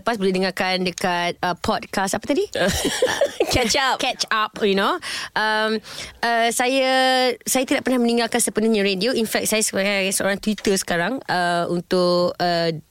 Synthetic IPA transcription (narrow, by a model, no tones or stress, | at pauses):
əpasbəlɛdəŋakandəkat̪̚əpʰɔd̚kastapat̪adḭ | kɛt͡ʃap̚kɛt͡ʃap̚junoʔəmʔəsajasajat̪idaʔpərnahmənĩŋɡalkansəpənuhɲəɾedioinfɛk̪̚sajasəasəʔo̰ɾaŋt̪wit̪əsə̥kaɾaŋəunt̪ʊkə